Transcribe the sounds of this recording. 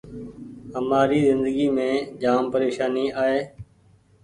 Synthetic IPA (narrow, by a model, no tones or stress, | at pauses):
ɦəmaːɾiːzɪnd̪əɡiːmẽːd͡ʒaːmpəɾeːʃaːniːaːɦeː